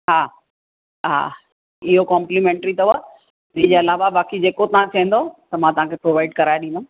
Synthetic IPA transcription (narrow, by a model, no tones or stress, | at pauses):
ɦaː | ɦa̰ː | ɪɦokɔ̃ːmplimẽːɳʈɾit̪ɐa | ɪɪ̃d͡ʑeːɐlaːʋabaːkid͡ʑeːkot̪ɐʋãt͡ɕʰɐɦə̃n̆d̪ot̪ɐmãːt̪ɐʋ̤ãkʰepɾoːʋaːɪɖkɐɾaːjɗĩːnd̪õ